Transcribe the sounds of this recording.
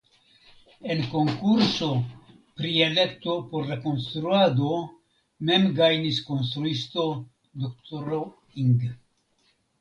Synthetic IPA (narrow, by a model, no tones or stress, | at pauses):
e̞nko̞ŋkuɾso̞ | pɾiele̞k̚t̪o̞po̞ɾlako̞nst̪ɾuad̪o̞ | me̞mɡajnisko̞ns̬t̪ɾuisto̞ | d̪okt̪oɾo | iŋɡ